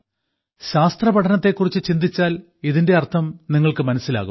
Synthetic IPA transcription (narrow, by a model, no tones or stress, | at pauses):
ɕaːst̪rɐpɐʈʰɐnɐt̪ːe̞kːurit͡ɕːɨt͡ɕind̪it͡ɕːaːl | iðinde̞ɐrt̪ʰɐmniŋːɐɭkɨmɐnɐsːila̰ːɣum